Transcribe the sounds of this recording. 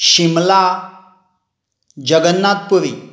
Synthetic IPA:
ɕimla | d͡ʑəɡənːat̪̚puɾḭ

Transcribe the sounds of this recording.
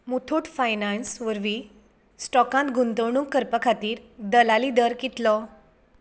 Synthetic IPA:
mut̪ʰoʈ̪fajnansʋəɾʋi | sʈɔkãnt̪ɡʱunt̪əʋɳũŋkkːəɾpəkʰat̪iːɾd̪əlalid̪əɾkit̪lɔ

